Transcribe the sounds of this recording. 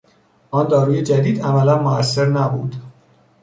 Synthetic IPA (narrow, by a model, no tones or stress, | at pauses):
ʔɒːnd̪ɒːɾuːjed͡ʒæd̪iːd̪æmælænmoæsːe̞ɾnæbṵːd̪̥